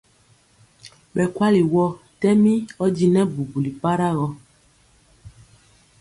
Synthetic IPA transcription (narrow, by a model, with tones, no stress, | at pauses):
ɓɛ˨kwa˦li˨wɔ˦tɛ˦mĩ˦ɔ˦d͡ʒi˦nɛ̃˦bu˨bu˨li˨pa˦ɾa˦ɣɔ˦